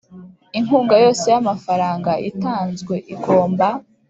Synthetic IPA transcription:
iŋuːŋɡajo̞ːse̞jamafaɾaːŋɡaʔitaːnzɡwe̞ʔiɡo̞ːmba

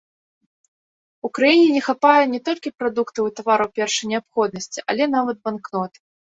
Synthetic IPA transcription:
ukɾajinʲɛnʲɛxapajɛnʲɛt̪ɔlʲkʲipɾad̪ukt̪ɐwit̪avaɾɐwpʲɛrʂɐjnʲɛapxɔd̪̚nɐsʲt͡sʲiʔa̰lʲɛnavɐd̪̚banknɔt̪ɨ̥

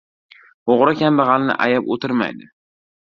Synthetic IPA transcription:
oʁɾakʲanbɑʁɑlnɪ̰ʔajapot̪ʰɪɾma̰jd̪ɪ

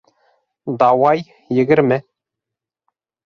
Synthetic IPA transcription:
d̪ɑwɑj | jɘ̆ɡɘ̆ɾmɘ

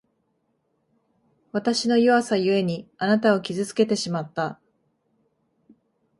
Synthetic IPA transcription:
βat̪aɕino̞joβasajɯ̟e̞ɲ̟ianat̪ao̞kʲizɨt͡sɨ̥ke̞t̪e̞ɕimat̪ːa

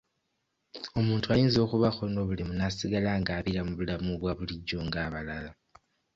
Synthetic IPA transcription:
o̞muːntʰuajiːnzo̞ːkuβaxo̞no̞βulimunasiɡalaːŋɡaːβiɾamuβulamuβwaβuliɟːo̞ŋɡaːβalala

